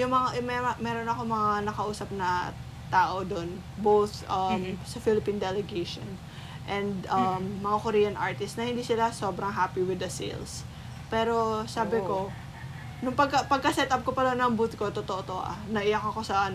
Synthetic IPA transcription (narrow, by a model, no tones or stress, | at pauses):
jʊŋmɐŋaʔmɛɐmɛːɾo̞nɐko̞mɐŋanɐkɐʔuːsɐp̚nɐ | t̪aːʔo̞d̪on | bowθʔɐmsɐfilɪpind̪ɛlɛɡejʃo̰n | ʔɛnd̪ʔɐmːɐŋakoɾiːjɐnʔaɹt̪ɪst̪nɐhɪnd̪iːsɪlaso̞ːbɾɐŋɦapiwɪd̪ɐsḭls | pɛːɾo̞saːbɪko̞ | nʊŋpɐɡ̚kɐpɐɡ̚kɐsɛt̪ʔɐp̚kopɐd̪onːɐŋbuːt̪̚ko̞t̪ot̪oʔot̪oʔo̰ʔa̰nɐʔɪjakɐko̞sɐʔɐn